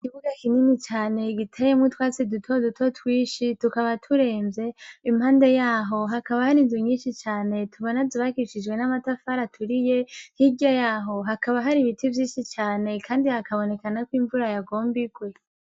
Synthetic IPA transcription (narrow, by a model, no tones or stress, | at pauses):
kiβuɡakininit͡ʃaːne̞ɡitʰejemŋutwaːt͡sidutʰodutʰo̞twiːʃitukaβatʰuɾe̞ːmvje̞imhaːnde̞jaːɦo̞ɦakaβahaɾinzuɲiːʃit͡ʃaːne̞tʰuβonazuβakiʃid͡ʒɡwe̞namatafaɾatʰuɾijehiɟajaːɦo̞ɦakaβaɦaɾiβitʰivjiːʃit͡ʃaːne̞kʰaːndihakaβo̞ne̞kanakwiɱvuɾajaɡo̞ːmbiɡwe̞